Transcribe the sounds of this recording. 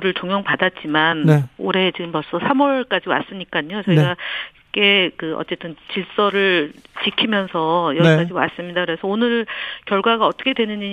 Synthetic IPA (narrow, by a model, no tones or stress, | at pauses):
ɾɯɭt͡ɕoŋjʌŋpadat̚t͡ɕ͈imaneoɾe̞t͡ɕiɡɯmpʌɭs͈ʌsʰamwʌɭk͈ad͡ʑiwa̰s͈ɯɲik͈aɲot͡ɕeɡa | k͈e̞kɯʌ̰t͡ɕ͈e̞t͈ɯnt͡ɕiɭs͈ʌɾɯɭt͡ɕikʰimjʌnsʰʌjʌikad͡ʑiwa̰s͈ɯmɲidakɯɾe̞sʰʌonɯɭkjʌɭɡwaɡaʌt͈ʌkʰedwe̞nɯɲi